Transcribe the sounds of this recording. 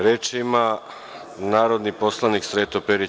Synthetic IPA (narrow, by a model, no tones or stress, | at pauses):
ɾeːt͡ʃima | naːɾo̞d̪niposlˠaniksɾeːt̪opeɾi